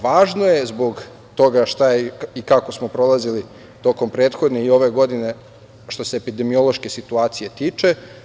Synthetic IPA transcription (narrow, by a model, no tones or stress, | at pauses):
ʋaːʒno̞je̞zbo̞ɡ | t̪o̞ɡaʃt̪ajeikako̞smo̞pɾo̞lˠazili | t̪o̞ko̞mpɾe̞ːt̪xo̞d̪ne̞io̞ʋe̞ɡo̞d̪ine̞ | ʃt̪o̞se̞ːpid̪e̞mio̞lˠo̞ʃke̞sit̪uaːt̪sije̞t̪iːt͡ʃe̞